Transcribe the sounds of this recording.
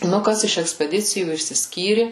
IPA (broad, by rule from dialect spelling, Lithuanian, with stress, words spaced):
nʊ ˈkɐs ɪʃ ɛksʲpʲɛˈdʲɪt͡sʲɪjuː ɪʃʲsʲɪsʲˈkʲiːrʲɪ